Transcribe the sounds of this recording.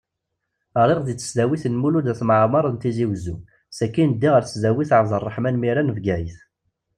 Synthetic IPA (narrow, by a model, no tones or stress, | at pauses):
əɾˤeʁðit͡sːə̥sðæwiθənmulud̪æθmʕmɑɾˤənt̪iziwzu | sækːind̪ːiʁəɾθəszæwiθʕəvzˤərˤːəħmænmiɾænəvɡæjθ